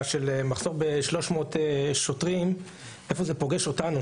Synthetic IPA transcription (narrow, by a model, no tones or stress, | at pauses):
ʃelemaχz̥o̞ʁbeʃlo̞ʃmo̞ːteʃotʁim | ʔefo̞zepo̞ɡeʃo̞tanu